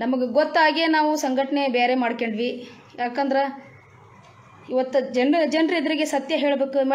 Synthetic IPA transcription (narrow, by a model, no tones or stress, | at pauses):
nɐmɐɡeɡot̪ːaːɡenaːʋusɐŋɡʱɐʈɐnebeːɾe̞maːɖkeɳɖʋi | jaːkɐnd̪ɐɾe | iʋɐt̪ːud͡ʒɐnɐd͡ʒɐnɾiɐd̪ɐɾiɡe̞sɐt̪jɐɦeːɭbeːkumɐ